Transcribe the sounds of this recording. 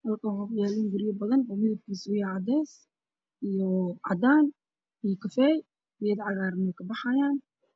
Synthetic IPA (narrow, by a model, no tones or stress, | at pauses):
hɐlkʰɐwħɔfjaːliːnɡʊɾɪjɐbɐðɐnːmɪðɐb̚kʰiːsjɛʕɑd̪ɛːs | ʔijɔʕɑ̰d̪aːn | ijkʰɐfɛːj | wɪjɛd̪ʕɑɣaːɾmɛkʰɐbɑħɑjaːn